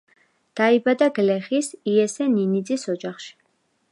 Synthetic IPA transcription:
d̪̥aibad̪aɡlɛχisiɛsɛninid̪zʼisɔd͡ʒaχʃi̥

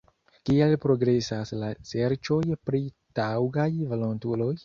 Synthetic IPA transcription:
kialpɾo̞ɡɾe̞saslase̞ɾt͡ʃo̞jpɾi | tawɡajvolontulo̞j

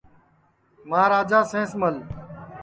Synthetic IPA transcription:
mãːɾaːd͡ʒaːsẽːsməl

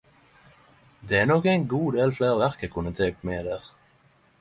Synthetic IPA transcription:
d̪eːæːʁnokæɪnɡuːd̪eːlfleːʁʋæʁkəkʰʊnət̪ʰeːk̪̚meːd̪eːʁ

